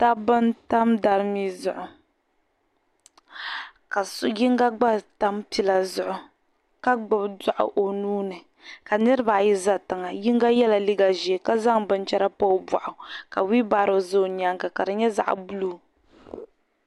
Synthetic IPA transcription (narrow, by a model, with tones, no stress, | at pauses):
ta˦bɨ˦nta˦mda˨ɾɨ˦mi˦zʊ˨ʔʊ˨ | ka˨sji˦ŋɡa˦ɡ͡ba˦ta˦mpi˦la˨zʊ˨ʔʊ˨ | ka˦ɡ͡bɨ˦bda˦ʔʊ̰˨ʔo˨nuː˦nɨ˨ | ka˨nɨ˦ɾɨ˦ba˨ji˦za˦tɨ˨ŋa˨ji˦ŋɡa˦jɛ˦la˨li˦ɡa˨ʒi˨e˨ka˦za˦ŋbɨ˦nt͡ʃɛ˦ɾa˦pɔ˦bwa̰˨ʔʊ˨ka˨wi˦baː˦ɾo˨zo˦˨ɲa˨˦ŋka˨ka˨dɨ˨ɲɛ˦za̰˨ʔbu˦luː˦